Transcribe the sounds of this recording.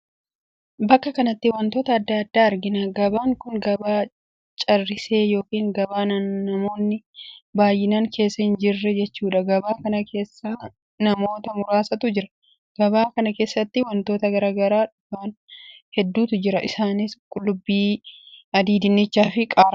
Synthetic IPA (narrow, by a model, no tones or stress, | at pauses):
bɐkːɐkɐnɐt̪ːɪwɐnt̪o̞ːt̪ɐːd̪ːaːd̪ːaːɐɾɡɪnaɡɐbaːŋkʊŋɡɐbaː | t͡ʃʼɐrːɪse̞ːjo̞ːkiːŋɡɐbaːnɐnːɐmo̞ːnːɪbaːjːɪnaŋkʰe̞ːsːɐhɪnd͡ʒɪrːɛd͡ʒɛt͡ʃːuːᶑɐɡɐbaːkɐnɐkʰe̞ːsːaː | nɐmo̞ːt̪ɐmʊɾaːsɐt̪ʊd͡ʒɪɾɐ | ɡ̥ɐbaːkɐnɐke̞ːsːɐt̪ːɪwɐnt̪o̞ːt̪ɐɡɐɾaːɡɐɾaːᶑʊbaːnhɛd̪ːuːt̪ʊd͡ʒɪɾɐʔɪsaːnɪskʼʊlːʊbːiːɐd̪iːd̪ɪnːɪt͡ʃːaːfɪkʼaːɾɐ